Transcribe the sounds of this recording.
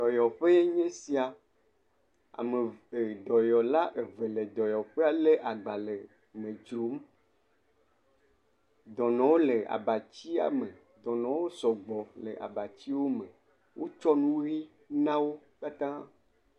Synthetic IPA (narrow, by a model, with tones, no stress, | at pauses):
d̪ɔ˨jɔ˨ɸe˦je˦ɲẽ˦si˦a˨ | a̰˨me˨e˨d̪ɔ˨jɔ˨la˦ʔe˨ve˨le˨d̪ɔ˨jɔ˨ɸe˦a˨le˦ʔa˨ɡ͡ba˨le˨ | mẽ˨d͡ʒɾo˨˦m˦ | d̪ɔ˨nɔ̃˨wo˦le˨a̰˨ba˨t͡ɕi˦a̰˨me˨ | d̪ɔ˨nɔ̃˨wo˦sɔ˨ɡ͡bɔ˨le˨ʔa̰˨ba˨t͡ɕi˦wo˦me˨ | wʔo˦t͡ʃɔ˦nũ˦vi˦ | nã˦wo˦ka˦t̪ã˦